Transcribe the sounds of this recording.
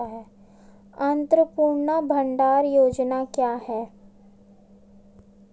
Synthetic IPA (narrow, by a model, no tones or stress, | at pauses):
aɦɛː | ɐ̃nt̪ɾəpuːɾɳabʱɐ̃ɳɖaːɾjoːd͡ʒnakjaːɦɛː